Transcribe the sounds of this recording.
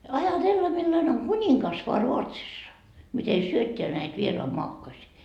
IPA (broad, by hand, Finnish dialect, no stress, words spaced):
ɑjɑtelːɑ milːɑne oŋ kunʲiŋkɑs ʋoɑ ruotsisːɑ mite syøtːeæ næit ʋieroɑmoɑkːosiː